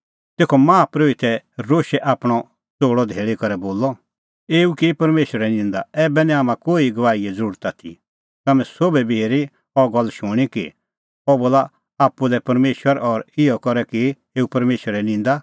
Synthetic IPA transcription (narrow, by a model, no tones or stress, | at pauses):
t̪eːkʰɔmãːpɾoːit̪ɛɾoːʃɛʔaːpɽ̃ɔ | t͡soːɽɔd̪ʱeːɭikɔɾɛboːlːɔ | eːukipɐɾmeːʃəɾɛnĩːnd̪aɛːbɛnĩaːmãkoːiɡɐʋaːiɛd͡zɐɾuːɾt̪at̪ʰḭ | t̪amɛ̃soːbɛbʱiɦeːɾi | ɔɡɔlːʃʊɽ̃ikḭ | ɔboːla | aːpːulɛpɐɾmeːʃwəɾɔɾɪjɔkɔɾɛkɪ | eːupɐɾmeːʃʋəɾɛnɪ̃ːnd̪a